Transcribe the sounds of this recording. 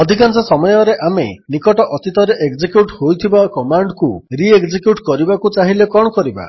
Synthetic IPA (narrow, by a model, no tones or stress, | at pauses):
ɔd̪ʱikant͡ʃɔsɔmɔjɔɾeʔamḛnikɔʈɔʔɔt̪it̪ɔɾeʔeɡd͡ʒekjuʈhojt̪ʰibakɔmaɳɖkuɾieɡd͡ʒekjuʈkɔɾibakut͡ʃaɦilekɔɽ̃ɔkɔɾiba̰